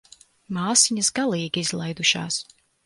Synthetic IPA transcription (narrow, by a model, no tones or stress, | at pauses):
maːsiɲɐsɡalˠiːɡʲizlˠajd̪uʃɑ̰ːs